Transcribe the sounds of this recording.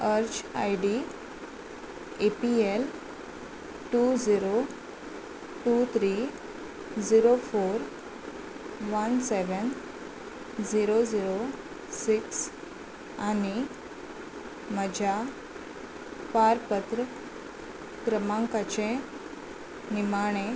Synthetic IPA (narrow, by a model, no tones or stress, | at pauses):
əɾt͡ɕa̰jɖi | epiel | ʈud͡ziɾo | ʈut̪ʰɾi | d͡ziɾofoɾ | ʋənseʋən | d͡ziɾod͡ziɾo | siks | ani | məd͡ʑʱa | paɾpət̪ɾə | kɾəmãŋkat͡ɕẽ | nimaɽ̃ẽ